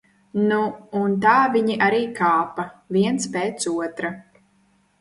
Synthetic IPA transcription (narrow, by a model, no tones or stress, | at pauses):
nuːnt̪aːviɲiʔaɾiːkʰaːpavʲiɛntspɛːt̪suɔt̪ɾa